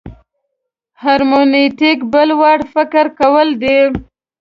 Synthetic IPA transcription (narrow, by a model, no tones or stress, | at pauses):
haɾmoneʈɪkbəlwɑɽfɪkɪɾkawəld̪e